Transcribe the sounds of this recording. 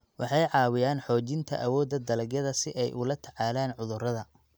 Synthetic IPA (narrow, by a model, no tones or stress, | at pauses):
wɑħɑjʕɑːwɪjaːnħɔːt͡ʃɪnt̪ʰɐ̰ʔɐwɔːd̪ɐd̪ɐlɐɡjɐðɐsɪʔɛjʔʊlɐt̪ʰɐʕɑːlaːnʕʊðʊrɐðɐ